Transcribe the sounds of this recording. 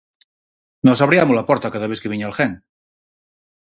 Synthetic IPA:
nosaβɾiamulapɔɾt̪akaðaβeθkeβiɲalxeŋ

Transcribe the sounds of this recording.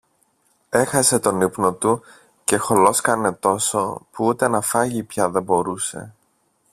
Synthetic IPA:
e̞xɐse̞t̪o̞nipno̞t̪u | ce̞xo̞lo̞skɐne̞t̪o̞so̞puut̪e̞nɐfɐʝipçɐðe̞bo̞ɾuse̞̰

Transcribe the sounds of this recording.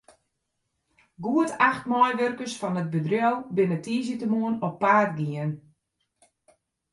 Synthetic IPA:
ɡuətʰaxtmɔjʋørkəsfɔnət̚bədrjɔwˠbɪnətʰiːz̬jətəmuənɔpːaːtɡiən

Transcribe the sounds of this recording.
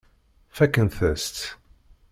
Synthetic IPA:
fækːənθəst̪

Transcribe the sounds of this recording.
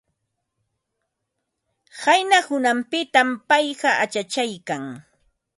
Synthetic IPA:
hajnahʊnampɪt̪ampɑjɢɑʔat͡ʃat͡ʃajkaŋ

